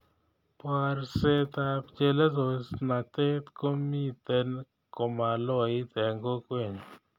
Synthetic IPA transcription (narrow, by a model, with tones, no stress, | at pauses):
pa˧ɾse˦t̪a˧pt͡ʃe˦le˦zo˧sna˨t̪e˦t̪ko˦mi˦t̪e˦n | ko˨ma˨lɔ˦i˦t̪ɛ˨ŋɡo˦kwe˦˨ɲ˨